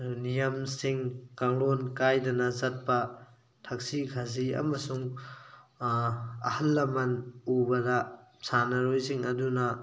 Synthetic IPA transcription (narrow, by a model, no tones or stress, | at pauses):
nijɐmsiŋkaŋlonkajdɐnɐzɐt̚pɐ | tʰɐk̚sikʰaziɐ̰mɐsuŋ | ɐ̰hɐlːɐmɐnubɐdɐsanɐɾojziŋɐdunɐ